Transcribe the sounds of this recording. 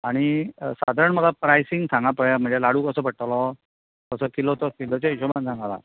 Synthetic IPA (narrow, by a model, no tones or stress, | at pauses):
aɽ̃isa̰d̪ʱaɾəɳməɡapɾajsiŋɡsãŋɡapəɭem̤əɳd͡zelaɽ̤uːkəsəːbʱəɽʈ̪alɔ | kəsəkilot̪ɔkilot͡ɕaiɕomand͡zʱãŋɡala̰